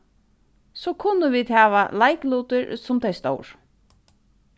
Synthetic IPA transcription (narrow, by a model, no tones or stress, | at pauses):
sɔːkʰʊnːəʋiːd̪hæːʋa̰lajkluːt̪ɪɹsʊmt̪ʰeɪst̪o̰wɹ